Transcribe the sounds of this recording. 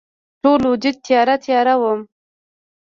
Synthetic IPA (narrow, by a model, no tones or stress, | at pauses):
ʈolwʊd͡ʒɪd̪̚t̪jɑɾat̪jɑɾawəm